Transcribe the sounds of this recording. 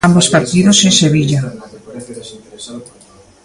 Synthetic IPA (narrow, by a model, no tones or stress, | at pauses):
ambospaɾt̪iðosenseβ̞iʎa